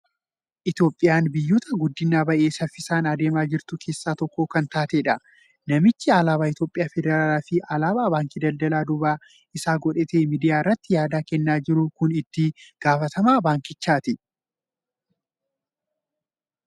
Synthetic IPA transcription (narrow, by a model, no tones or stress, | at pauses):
ʔɪt̪jo̞ːpʼːɪjaːnbɪjːuːt̪ɐɡʊd̪ːɪnːaːbɐʔe̞ːsɐfːɪsaːnɐd̪e̞ːmaːd͡ʒɪɾt̪ʊkʰe̞ːsːaːt̪ɔkːoːkɐnt̪aːt̪eᶑɐ | nɐmɪt͡ʃːɪaːlaːbaːɪt̪jo̞ːpʼːɪjaːfɛd̪ɛɾaːlaːfɪʔalaːbaːbaːŋkid̪ɐld̪ɐlaːd̪ʊbaː | ɪsaːɡɔᶑɛːt̪ɐmiːd̪ɪjaːɪrːɐt̪ːɪjaːd̪aːkɛnːaːd͡ʒɪɾʊkʊnɪt̪ːɪɡ̥aːfɐt̪ɐmaːbaːŋkɪt͡ʃːaːt̪ɪ